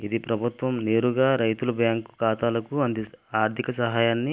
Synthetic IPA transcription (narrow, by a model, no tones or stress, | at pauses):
id̪ipɾɐbʱut̪ʋɐmneːɾuɡaːɾɐjt̪ulɐbjaːŋku̥kaːt̪aːlɐkuɐnd̪iaːɾt̪ʰikɐsɐɦaːjaːnːi